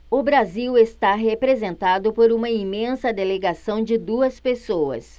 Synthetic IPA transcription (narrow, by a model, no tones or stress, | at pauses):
ʊbɾaziwest̪aɦepɾezẽnt̪ad̪ʊpoɾũmɐimẽsɐd̪eleɡasɐ̃w̃d͡ʒɪd̪uɐspesowɐ̰s